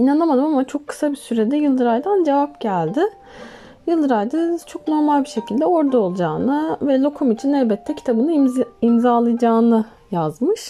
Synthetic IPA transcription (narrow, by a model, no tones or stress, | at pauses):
inanamad̪ɯmamat͡ʃʰo̞kʰːɯ̥sabisyɾɛd̪ɛjɯlˠd̪ɯɾajd̪and͡ʒe̞vap̚ɟælʲd̪ɪ | jɯlˠd̪ɯɾajd̪at͡ʃʰo̞kno̞ɾmalʲbiʃe̞cʰilʲd̪ɛo̞ɾd̪aolˠud͡ʒaːnɯvɛlʲˠo̞kʰumit͡ʃʰinɛvʲbɛt̪ʰːɛcʰi̥t̪ʰabɯnɯimzaːlˠajd͡ʒaːnɯ | jazmɯʃ